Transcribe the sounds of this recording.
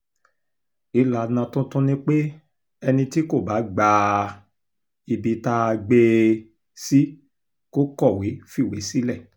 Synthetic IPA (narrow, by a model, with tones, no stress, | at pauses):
i˨˧la˨nã˧tũ˦tũ˦nĩ˦k͡pe˦ | ɛ˧nĩ˧ti˦ko˦˨ba˨˦ɡ͡ba˧ | i˨bi˧ta˧ɡ͡be˧ | si˦ | ko˦kɔ˦˨we˨˦fi˦˨we˨˦si˦lɛ˦˨